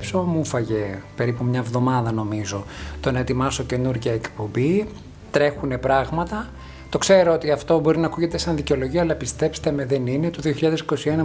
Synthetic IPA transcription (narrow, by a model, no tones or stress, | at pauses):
pso̞mufɐʝe̞pe̞ɾipumɲɐevðo̞mɐðɐno̞mizo̞t̪onet̪imɐsoce̞nuɾʝɐekpo̞mbi | t̪ɾe̞xune̞pɾɐɣmɐt̪ɐ | t̪okse̞ɾo̞ot̪iɐft̪o̞bo̞ɾinɐːkuʝe̞t̪esɐnðiceo̞loʝioɐlɐpist̪e̞pst̪emeðenine̞t̪oðioçiʎɐðesi̥ko̞sienɐ